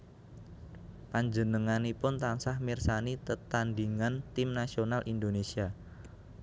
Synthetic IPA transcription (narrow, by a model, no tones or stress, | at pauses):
paɲd͡ʒənəŋanipʊnt̪ansahmirsanit̪ət̪and̪iŋant̪ɪmnasionalʔind̪onesia